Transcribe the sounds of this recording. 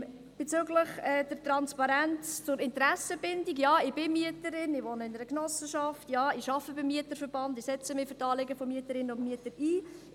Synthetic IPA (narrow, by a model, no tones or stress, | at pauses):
b̥et͡sʏɡləχɛːd̥əɾtɾɑnspɑɾænt͡st͡sʊɾɪntɾæsəbɪndiɡjɑːɪbɪmiətəɾɪnɪʋonəɪnəɾəknɔsəʃɑftjɑːɪʃɑfəbɪmːiətəɾfəɾb̥ɑndɪsɛt͡səmɪfʏɾtɑːlɪɡəfɔmiətəɾɪnənʊnmiətəɾiː